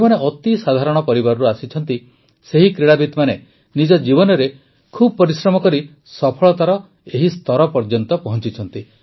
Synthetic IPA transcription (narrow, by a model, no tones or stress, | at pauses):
maneʔɔt̪isad̪ʱaɾɔɽ̃ɔpɔɾibaɾɔɾuasit͡ʃʰɔnt̪i | seɦikɾiɽabit̪mane | nid͡ʒɔd͡ʒibɔnɔɾe | kʰubɔpɔɾisɾɔmɔkɔɾi | sɔpʰɔɭɔt̪aɾɔ | eɦist̪ʰɔɾɔpɔɾd͡ʒɔnt̪ɔpɔɦɔnt͡ʃit͡ʃʰɔn̪t̪i